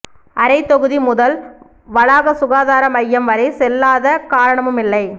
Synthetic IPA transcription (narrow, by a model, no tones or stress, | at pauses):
ʔɐɾɐɪt̪ːɔɣɯðimʊðɐl | ʋɐɻaːɣɐsʊɣaːðaːɾɐmɐjːɐmʋɐɾɐɪsɛlːaːðɐkaːɾɐɳɐmɯmɪlːɐɪ